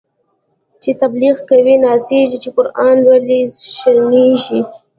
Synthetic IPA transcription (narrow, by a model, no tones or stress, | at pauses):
t͡ʃet̪abliɣkawinɑseʒit͡ʃekʊɾɑnwaliʃaneʒi